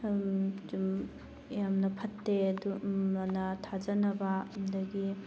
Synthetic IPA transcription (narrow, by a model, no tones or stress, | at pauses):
d͡ʒum | jamnɐpʰɐtːeɐduanɐtʰad͡ʒɐnɐbandɐɡi